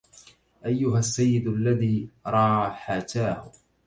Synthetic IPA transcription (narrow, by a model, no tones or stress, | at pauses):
ʔajːʊɦasːajːɪd̪alːaðiːɾˤɑːħat̪aːhʊ